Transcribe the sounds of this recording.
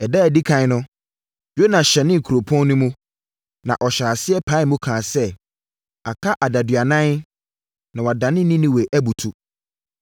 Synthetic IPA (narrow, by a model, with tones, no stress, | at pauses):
ɛ˨dɛ˦æ˨di˦kʰã˨˦nʊ̃˦ | jo˦nã˨ɕɛ˨nɪ̃˦ŋ̩˨kʰu˨ɾo˨pʰɔ̃˦nnʊ̃˦mũ˦ | nã˨ʔɔ˨ɕaː˨sɪ˦ɛ˦pʰa˦mũ˦kʰãː˨sɛ˦ | a˨kʰa˦ʔa˨da˨dɥa˨nã˦n | nã˨wa˨dã˨nɪ̃˦nĩ˦nĩ˦we˨ʔæ˦bu˨tʰu˨